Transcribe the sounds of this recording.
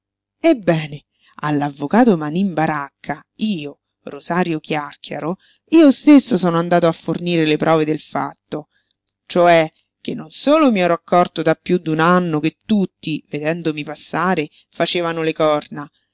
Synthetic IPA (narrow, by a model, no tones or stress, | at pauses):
ebːɛːne | a̰lːavːokaːt̪omanimbaɾakʰːaiːo | rozaːɾjok̟jarkʰja̰ɾo | iːost̪esːosɔːnoand̪aːt̪oafːorniːɾelepɾʔɔːved̪elfa̰t̪ːo | t͡ʃoɛ | k̟enːonsoːlomiɛːɾoakːɔrt̪od̪apːjud̪ːunanːok̟et̪ːut̪ːived̪ɛnd̪omipasːaːɾe | fat͡ʃeːvanolekɔrna